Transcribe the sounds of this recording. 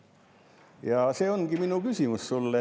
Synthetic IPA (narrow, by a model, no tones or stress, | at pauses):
jɑˑseoŋkiminukysimyssulːe